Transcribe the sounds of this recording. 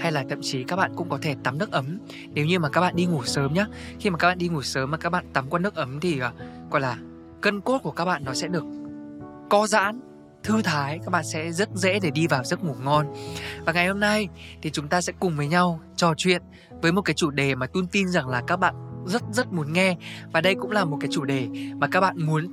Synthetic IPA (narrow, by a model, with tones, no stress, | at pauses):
ha˧jlaː˨˩t̪ʰə̰˧˨mt͡ɕi˨˦kaː˦˥k̚ɓa̰ː˧˨nkʊ̰˧˥ŋ͡mkɔ˨˦t̪ʰe˧˩t̪a˨˦mnɨ˦˥ək̚ʔə˨˦m | ne˨˦wɲɨ˧maː˨˩kaː˦˥k̚ɓa̰ː˧˨ɗi˧ŋu˨˩səː˨˦mɲaː˦xi˧maː˨˩kaː˦˥ɓaː˧˨ɗi˧ŋu˨˩səː˨˦mːaː˨˩kaː˦˥k̚ɓa̰ː˧˨nt̪a˨˦mkwaː˧nɨ˦˥ək̚ʔə˨˦mt̪ʰi˨˩ʔkɔ̰˧˩jlaː˨˩ | kə˧nko˦˥t̚ku˧˩ka˦˥k̚ɓa̰ː˧˨nːɔ˨˦sɛ̰˧˥ɗɨ˨˩ək̚ː | ɔ˧za̰ː˧˥n | t̪ʰɨ˧t̪ʰaː˨˦jkaː˦˥k̚ɓa̰ː˧˨nsɛ̰˧˥zə˦˥t̚zḛ˧˥ɗe˧˩ɗi˧vaː˨˩wzə˦˥t̚ŋu˨˧˩ŋɔ˧nvaː˨˩ŋa˨˩jho˧mna˧jt̪ʰi˨˩t͡ɕʊ˨˦ŋ͡mt̪aː˧sɛ̰˧˥kʊ˨˩ŋ͡mvəː˨˦jɲa˧w | t͡ɕɔ˨˩t͡ɕwḭ˧˨ən | vəː˨˦jmo˨˩t̚kaː˨˦jt͡ɕu˧˩ɗe˨˩maː˨˩t̪u˧nt̪i˧nza˨˩ŋlaː˨˩kaː˦˥k̚ɓa̰ː˧˨nzə˦˥t̚zə˦˥t̚mu˨˦ənŋɛ˧vaː˨˩ɗə˧jkʊ̰˧˥ŋ͡mlaː˨˩mo˨˩t̚kaː˨˦jt͡ɕu˧˩ɗe˨˩maː˨˩kaː˦˥k̚ɓa̰ː˧˨nmu˨˦ən